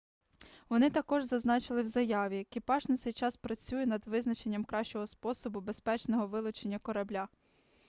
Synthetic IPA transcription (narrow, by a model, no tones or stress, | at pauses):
ʋɔnɪt̪ɐkɔʒzɐznɑt͡ʃɪlˠɪwzɐjɑʋʲiɐkʲipɑʒnɔt̪sɛjt͡ʃɑspɾɐt͡sʲujɛnɐd̪ʋɪznɐt͡ʃe̞nʲːɐmkɾɑʃt͡ʃɔɦɔspɔsɔbʊbe̞spɛt͡ʃnɔɦɔʋɪlˠʊt͡ʃenʲːɐkɔɾɐblʲa